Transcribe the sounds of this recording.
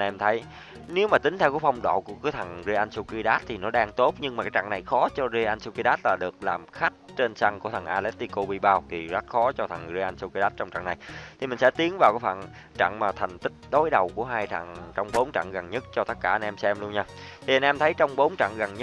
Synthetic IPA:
ʔa˧nʔɛ˧mt̪ʰə˨˦j | ne˨˦wmaː˨˩ï˨˦ŋ̟t̪ʰɛ˧wku˧˦fa˧wŋ͡mɗo̰ː˧˨ku˧˩əkɨ˨˦t̪ʰə˨˩ŋze˧ʔa˧nsu˧ki˧ɗaː˦˥t̚t̪ʰi˨˩nɔ˨˦ɗaː˧ŋt̪o˦˥t̚ɲɨ˧ŋma˨˩kaː˦jt͡ɕa̰˧˨ŋna˨˩jxɔ˨˦t͡ɕɔ˧ze˧ʔa˧nsu˧ki˧ɗaː˦˥t̚laː˨˩ɗɨ˨˩ək̚laː˨˩mxa˦˥jk̟̚t͡ɕe˧nsa˧ŋku˧˩ət̪ʰə˨˩ŋʔaː˧lɛ˦˥t̚t̪i˧ko˧ɓi˧ɓaː˧wt̪ʰi˨˩za˦˥t̚xɔ˨˦t͡ɕɔ˧t̪ʰə˨˩ŋze˧ʔa˧nsu˧ki˧ɗaː˦˥t̚t͡ɕɔ˧wŋ͡mt͡ɕa̰˧˨ŋna˨˩jt̪ʰi˨˩mï˨˩ŋ̟sɛ̰˧˥t̪i˨˦ənvaː˨˩wkaː˨˦jva̰ː˧˨n | t͡ɕa̰˧˨ŋmaː˨˩t̪ʰa˨˩ŋ̟t̪ï˦˥k̚ɗo˨˦jɗə˨˩wku˧˩əɦaː˧jt͡ɕa̰˧˨ŋt͡ɕɔ˧wŋ͡mɓo˨˦nt͡ɕa̰˧˨ŋɣa˨˩nɲə˦˥t̚t͡ɕɔ˧t̪ə˦˥t̚kaː˧˩ʔa˧nʔɛ˧msɛ˧mlu˧ənɲaː˧t̪ʰi˨˩ʔa˧nʔɛ˧mt̪ʰə˨˦jt͡ɕɔ˧wŋ͡mɓo˨˦nt͡ɕa̰˧˨ŋɣa˨˩nɲə˦˥

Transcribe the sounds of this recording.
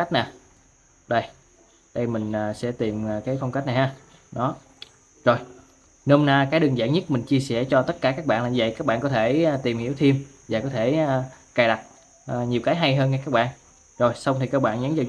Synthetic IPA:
a˦˥k̟̚naː˨˩ | ɗə˧˩j | ɗə˧jmï˨˩ŋ̟əː˨˩sɛ̰˧˥t̪i˨˩mː˨˩kaː˨˦jfɔ˧wŋ͡mka˦˥k̟̚na˨˩haː˧ | ɗɔ˨˦ | zo˨˩j | nə˧hŋ͡mnaː˧kaː˨˦jɗɨ˨˩ŋza̰ː˧˥ŋɲə˦˥t̚mï˨˩ŋ̟t͡ɕi˧əsɛ̰˧˥˩t͡ɕɔ˧t̪ə˦˥t̚kaː˧˩kaː˦˥k̚ɓa̰ː˧˨nla˨˩˧və̰˧˨jkaː˦˥k̚ɓa̰ː˧˨ŋkɔ˨˦t̪ʰeː˧˩˨t̪i˨˩mhi˧˥əwt̪ʰi˧əm | vaː˨˩kɔ˨˦t̪ʰe˧˩˨kaː˨˩jɗa˨˩t̚ | ʔɲi˨˩əwkaː˨˦jɦa˧jɦəː˧nŋa˧kaː˦˥k̚ɓa̰ː˧˨n | zo˨˩jsa˧wŋ͡mt̪ʰi˨˩ka˦˥k̚ɓa̰ː˧˨nɲə˨˦nzaː˨˩

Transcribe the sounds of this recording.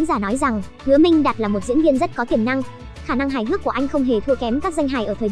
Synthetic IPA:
zaː˧˩nɔ˨˦jza˨˩ŋ | hɨ˨˦əmï˧ŋ̟ɗaː˨˩t̚laː˨˩mo˨˩t̚zḭ˧˥ənvi˧ənzə˦˥t̚kɔ˨˦t̪i˧˩əmna˧ŋ | xaː˧˩na˧ŋɦaː˨˩jɦɨ˦˥kːu˧˩əʔa˧jŋ̟xə˧wŋ͡mɦe˨˩t̪ʰɨ˧kɛ˨˦mkaː˦˥k̚za˧jŋ̟ɦa̰ː˨˩jʔəː˧˩t̪ʰəː˨˩

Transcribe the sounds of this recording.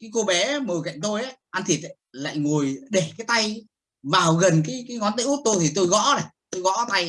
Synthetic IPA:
kaː˨˦jko˧ɓɛ˨˦˨məː˨˩ka̰˧˨jŋ̟t̪o˧jʔa˨˦ʔa˧nt̪ʰi˨˩t̚la̰ː˧˨jŋu˨˩əjɗe˨˩kaː˨˦jt̪a˧j | vaː˨˩wɣə˨˩nkaː˨˦jkaː˨˦jŋɔ˨˦nt̪ɨ̰˧˦˥t̚t̪o˧t̪ʰi˨˩t̪o˧jɣɔ̰˧˥ne˨˩t̪o˧jɣɔ̰˧˥t̪a˧j

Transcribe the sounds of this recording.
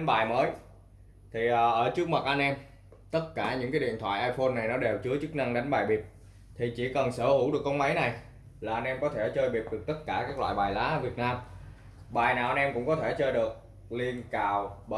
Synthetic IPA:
nɓaː˨˩jməː˨˦j | t̪ʰi˨˩ʔəː˨˩ʔəː˧˩t͡ɕɨ˦˥ək̚ma˨˩t̚ʔa˧nʔɛ˧m | t̪ə˦˥t̚kaː˧˩ɲɨ̰˧˥ŋkaː˨˦jɗḭ˧˨ənt̪ʰwa̰ː˧˨jʔaː˧jfo˧nːa˨˩jnɔ˨˦ɗe˨˩wt͡ɕɨ˨˦ət͡ɕɨ˦˥k̚na˧ŋɗa˨˦jŋ̟ɓaː˨˩jɓi˨˩əp̚ | t̪ʰi˨˩t͡ɕi˧˩kə˨˩nsəː˧˩hu˧˩wɗɨ˨˩əkːɔ˧ŋ͡mma˨˦jna˨˩j | laː˨˩ʔa˧nʔɛ˧mkɔ˨˦t̪ʰe˧˩t͡ɕəː˧jɓi˨˩əp̚ɗɨ˨˩ək̚t̪ə˦˥t̚kaː˧˩kaː˦˥k̚lwa̰ː˧˨jɓaː˨˩jlaː˨˦vi˨˩ət̚naː˧m | ɓaː˨˩jnaː˨˩wʔa˧nʔɛ˧mkʊ̰˧˥ŋ͡mkɔ˨˦t̪ʰe˧˩t͡ɕəː˧jɗɨ˨˩ək̚ | li˧ənkaː˧˨˩wɓə˧

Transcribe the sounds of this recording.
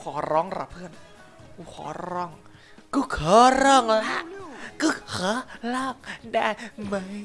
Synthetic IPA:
kʰɔː˩˦ɾɔː˦˥ŋɾa̰˧˩pʰɯ˧˩ən | u˧˩kʰɔ̰ː˩˦ɾɔː˦˥˩ŋ | kɯ˧˩kʰɤː˨˦ɾɔː˧˩ŋla˦˥ʔkɯ˧˥˩kʰɤ˨˦lɔː˧˩k̚da˧˩jma˧˥˩j

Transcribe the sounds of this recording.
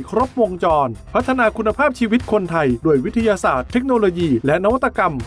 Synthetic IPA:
kʰɾo˦˥p̚wo˧ŋt͡ɕɔː˧npʰa˦˥t̪ʰːa˧naː˧kʰu˧nːa˧pʰaː˥˩p̚t͡ɕʰiː˧wi˦˥t̪̚kʰo˧nt̪ʰa˧jduː˧˩əjwi˦˥t̪ʰːa˧jaː˧saː˨˩t̪ʰːe˦˥k̚noː˧loː˧jiː˧lɛ˦˥na˦˥wa˦t̪ːa˧ka˧m

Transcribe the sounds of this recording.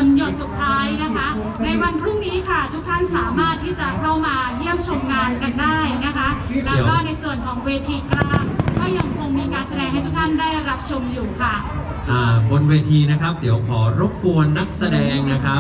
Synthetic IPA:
njo˨˩t̪̚su˨˩t̪ʰːaː˦˥jna˦˥kʰa˦˥ | na˧jwa˧npʰɾu˥˩ŋniː˦˥kʰa˥˩t̪ʰu˦˥k̚t̪ʰa˥˩nsaː˩˦maː˥˩t̪ʰːiː˥˩t͡ɕa˨˩ʔkʰa˥˩wmaː˧ji˥˩əmt͡ɕʰo˧mŋaː˧nka˧ndaː˥˩jna˦˥kʰa˦˥lɛ˦waː˥˩na˧jsu˨˩ənkʰɔː˩˦ŋweː˧t̪ʰiː˧klaː˥˩kɔː˥˩ja˧ŋkʰo˧ŋmiː˧kaː˧nsa˧dɛː˧ŋɦa˥˩jt̪ʰu˦˥k̚t̪ʰa˥˩ndaː˥˩jɾa˦˥p̚t͡ɕʰo˧mjuː˨˩kʰa˥˩ | ʔaː˨˩bo˧nweː˧t̪ʰiː˧na˦˥kʰɾa˦˥p̚di˩˦əwkʰɔː˩˦ɾo˦˥p̚ːu˧ənːa˦˥k̚sa˧dɛː˧ŋna˦˥kʰa˦˥

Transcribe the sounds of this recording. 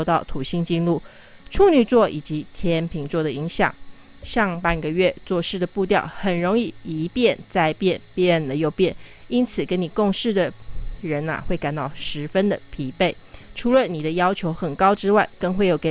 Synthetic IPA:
t̪ɑ˥˩ʊt̪ʰu˨˩ɕi˥ŋt͡ɕi˥˧nlu˥˨˩ | ʈ͡ʂʰu˥˧ny˥˩t͡swɔ˥˩i˨˩t͡ɕi˧˦t̪ʰjɛ˥npʰi˧˥ŋt͡swɔ˥˩d̪ə˨i˧˥ŋɕjɑ̰˨˩˦ŋ | ɕɑ˥˧ŋpa˥˩nɡə˩ɥɛ˥˧t͡swɔ˥˧ʂɻ̩˥˩d̪ə˩pu˥˧t̪̬jɑ̰˥˩ʊxə˨˩nɻo˧˥ŋi˥˩i˧˥pjɛ˥˧˨nt͡sa˥˧ɪpjɛ˥˧˨npjɛ˥˩nlə˨jo˥˧ʊpjɛ˥˩ni˥nt͡sʰɹ̩˨˩kə˦˥nni˨˩ko˥˧ŋʂɻ̩˥˩d̪ə˩ɻə˧˥na̰˨xwe˥˩ɪka˨˩nt̪ɑ˥˩ʊʂɻ̩˧˥fə˦nd̪ə˨pʰi˧˥pe˥˩ɪʈ͡ʂʰu˧˥lə˨ni˨˩d̪ə˦jɑ˥ʊt͡ɕʰjo˧˥ʊxə˨˩nkɑ˥ʊʈ͡ʂɻ̩˥wa˥˩ɪkə˥˧ŋxwe˥˩ɪjo˨˩ʊke˨˩

